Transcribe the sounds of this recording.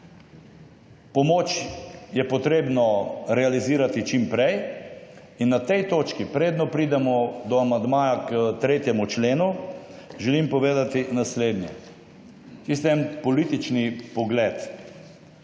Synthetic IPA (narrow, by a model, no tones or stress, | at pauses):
pɔmoːt͡ʃjɛpɔt̪ɾeːbnɔɾɛaliziːɾat̪it͡ʃimpɾɛj | inːat̪ɛjt̪oːt͡ʃkipɾeːd̪nɔpɾiːd̪ɛmɔd̪ɔamand̪maːjakət̪ɾeːt̪jɛmut͡ʃleːnuʒɛlimpɔʋeːd̪at̪inasleːd̪njɛ | t͡ʃ̪is̬t̪ɛnpɔlit̪it͡ʃnipɔɡlɛːt̪